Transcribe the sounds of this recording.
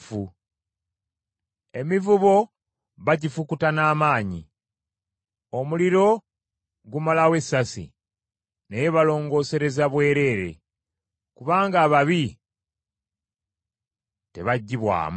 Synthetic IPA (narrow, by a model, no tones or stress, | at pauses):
fu | e̞mivuβo̞ | βaɟifukutanaːmaːɲi | o̞muliɾo̞ | ɡumalawe̞sːasḭ | ne̞jeβalo̞ːŋɡo̞ːse̞ɾe̞zaβwe̞ːɾe̞ɾe̞̰ | kuβaːŋɡaːβaβi | te̞̰βaɟːiβwa̰ːm